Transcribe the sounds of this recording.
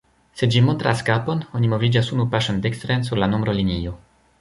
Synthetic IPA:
sed͡ʒimont̪ɾaskaponoɲimovid͡ʒasunupaʃand̪ekst̪ɾensuɾlanombɾolinio

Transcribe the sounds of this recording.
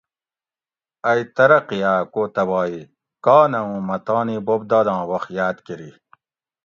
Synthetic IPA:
ɐit̪ɐɾɐqiaːkoːt̪ɐbɑːi | kaːnɐũːmɐt̪ɑːnibob̚d̪ɐːd̪ɑ̃ːwɐxjaːd̪kiɾi

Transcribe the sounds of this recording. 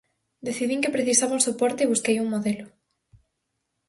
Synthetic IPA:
d̪eθiðiŋkepɾeθisaβauŋsopɔɾt̪eːβuskejuŋmoðelʊ

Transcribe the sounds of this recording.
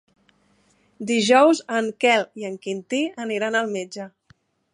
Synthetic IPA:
d̪iʒɔwzəŋkɛliəŋkint̪iəniɾanəlˠmed͡ʒə

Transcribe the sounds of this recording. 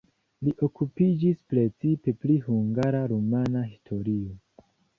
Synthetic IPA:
liʔo̞kupid͡ʒispɾe̞t͡sipe̞plihuŋɡaɾaɾomanaɦistʰo̞ɾio

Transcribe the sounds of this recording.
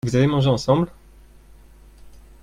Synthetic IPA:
vuzavemɑ̃ʒeɑ̃sɑ̃bl

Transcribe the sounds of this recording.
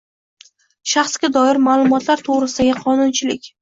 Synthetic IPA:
ʃaχsɡʲad̪ɒɪɾmaːlˠʊmɒt̪laɾt̪ʰoʁɾɪsɪd̪aɡʲɪqʰɒnʊnt͡ʃʰɪlɪkʲ

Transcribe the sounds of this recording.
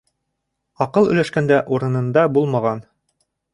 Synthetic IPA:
ɑqɤlˠɵ̆jlæʃkænd̪æʔuɾɤ̆nɤ̆nd̪ɑbulˠmɑʁɑn

